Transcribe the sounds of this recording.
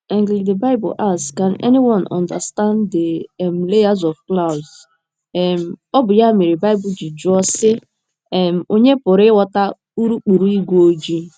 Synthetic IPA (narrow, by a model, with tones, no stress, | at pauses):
ɛ̃˨ŋɡli˨de˨ba˦ɪ˦bʊ̰˨ʔa˦˨skã˨nɛ̰˦ni˦wɔ̃˨nɔ̰̃˨nda̰˨stã˦nde˨m̩˨le˦ja˦zɔ˨fkla˦˨ʊz | ɛ˨m̩˨ɔ˦bʊ˨ja˦mi˨ɾi˨ba˦ɪ˦bʊ˨d͡ʒi˨d͡ʒʊ˦ɔ˦sɪ˦ | ɛ˨m̩˨o˦ɲe˦pʊ˨ɾɪ˦wɔ˦ta˦ | u˦ɾu˦k͡pu˨ɾu˦i˦ɡʷo˦d͡ʒi˦